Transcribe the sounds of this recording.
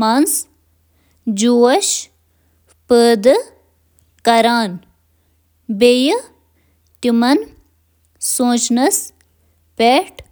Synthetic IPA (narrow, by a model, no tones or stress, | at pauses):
mans | d͡ʒuɐʃ | pəːd̪ | kɐɾaːn | bej | t̪imɐn | sõːt͡ʃnɐs | peːʈ